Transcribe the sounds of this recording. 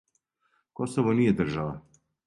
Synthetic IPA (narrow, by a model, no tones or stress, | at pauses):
kosoʋonijɛd̪ər̩ʒaʋa